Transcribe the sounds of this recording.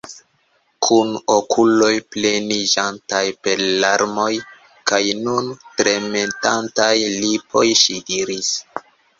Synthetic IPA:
kʰunokʰulo̞jple̞nid͡ʒantajpe̞ɾlaɾmo̞j | kajnuntɾementantajlipʰo̞jʃidiɾis

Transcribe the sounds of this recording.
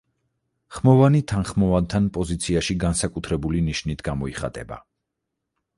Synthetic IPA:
χmɔvanit̪ʰanχmɔvant̪ʰanpʼɔzit̪sʰiaʃiɡansakʼut̪ʰɾɛbuliniʃnit̪ʰɡamɔiχa̰t̪ʼɛba̰

